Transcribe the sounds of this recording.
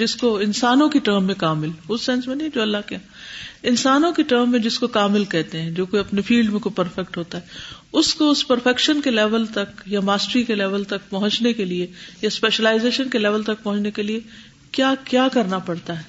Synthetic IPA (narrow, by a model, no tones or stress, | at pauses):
d͡ʒɪskoɪnsaːnõkiʈəːɾmːẽkaːmɪlʊsːɛ̃nsmẽniɛd͡ʒoːɐlːaɦkeã | ɪnsaːnõkiʈəːɾmːẽd͡ʒɪskokaːmɪlkɛɦt̪eɦɛ̃d͡ʒoːkoɐpnefiːlɖmẽkopɐɾfɛk̚ʈɦoːt̪aɦɛːʊskoʊspɐɾfɛkʃənkelɛːʋəlt̪ɐkjamaːsʈɾikelɛːʋəlt̪ɐk̚pɐɦʊ̃t͡ʃnekeliejaspeːʃəlaːɪzeːʃənkelɛːʋəlt̪ɐk̚pɐɦʊ̃t͡ʃnekelie | kjaːkjaːkɐɾnapɐɽt̪aɦɛː